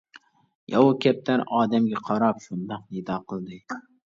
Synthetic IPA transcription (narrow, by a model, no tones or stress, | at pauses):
jɒwʊkʲʰap̚t̪ʰaɾɒːd̪amɡʲaqʰɒɾɒpʃʊnd̪ɒq̚nɪd̪ɒqʰɨlˠd̪ɪ